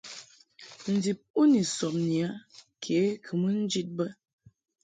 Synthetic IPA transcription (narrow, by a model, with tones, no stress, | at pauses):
n̩˨di˨p̚u˦ni˨sɔ˨p̚ni˨a˦ | kʰe˨˦kʰɨ˨mə˦n̩˦d͡ʒi˦t̚bə˦